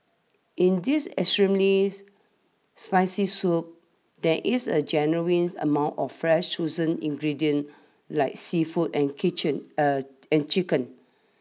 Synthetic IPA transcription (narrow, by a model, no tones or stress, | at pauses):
ʔĩndisɛ̰kstɹĩmli | spaɪsisup̚ | dɛʔisəd͡ʒɛnuwĩnə̰mãw̃ntɔfːɹɛʃt͡ʃozə̃nḭ̃ŋɡɹidiə̃n | laɪk̚sifutɛ̃nkʰit͡ʃə̃n | ɛ̃nt͡ʃikə̃n